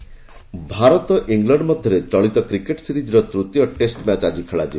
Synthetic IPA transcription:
bʱaɾɔt̪ɔʔiŋɡlɔɳɖmɔd̪ʱjɔɾet͡ʃɔɭit̪ɔkɾikeʈsiɾid͡ʒɾɔt̪ɾut̪jɔʈesʈmat͡ʃad͡ʒikʰeɭad͡ʒi

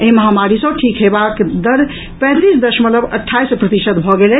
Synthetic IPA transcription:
eməɦamaɾisə̃ʈʰikɦebakd̪əɾ | pɛ̃t̪isd̪əɾʃmət̪ləbə̰ʈʰːaispɾət̪isət̪bʱɔɡelɛ

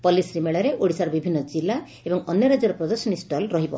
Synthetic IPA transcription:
pɔlisɾimeɭɔɾeʔoɽisaɾɔbibʱinːɔd͡ʒilːa | ebɔŋɔnjɔɾad͡ʒɔɾɔpɾɔd̪ɔɾsɔnisʈɔlɾɔɦibɔ̰

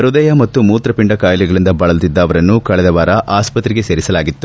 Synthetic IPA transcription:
ɐɾud̪ɐjɐmɐt̪ːumuːt̪ɾɐpiɳɖɐkaːjliɡɐɭind̪ɐbɐɭɐlt̪id̪ːɐːʋɐɾɐnːukɐɭɛd̪ɐʋaːɾɐʔaːspɐt̪ɾiɡe̞se̞ːɾisɐlaːɡit̪ːu

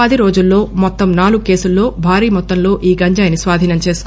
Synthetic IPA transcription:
ɐd̪iɾo̞ːd͡ʒulːo̞ːmɔt̪ːɐmnaːluɡke̞ːsulːo̞ːbʱaːɾiːmɔt̪ːɐnlo̞ːʔiːɡɐɲd͡ʒɐːjnisʋaːd̪ʱiːnɐmt͡ʃe̞ːsu̥k

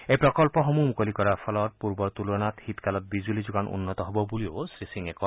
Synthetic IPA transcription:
ejpɹɔkɔlpɔxɔmumukolikɔɹaɹpʰɔlɔt̪̚puɹbɔɹt̪ulɔnathit̪kalɔt̚bizuulizuɡanṵnːɔt̪ɔɦobɔbuliosɹisiŋɛkɔ

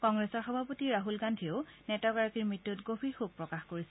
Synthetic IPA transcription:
kɔŋɡɹɛsɔɹxɔbʱapotiɹaɦulɡandʱionɛtɔkaɹakiɹmɹitːutɡobʰʱixuk̚pɹɔkaxkoɹisɛ

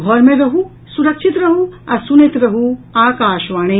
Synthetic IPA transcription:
ɡʱɔɾmẽɾɐɦu | suɾɐkʃʰit̪ɾɐɦuɐsunit̪ɾɐɦuaːkaːʃʋaːɽ̃e

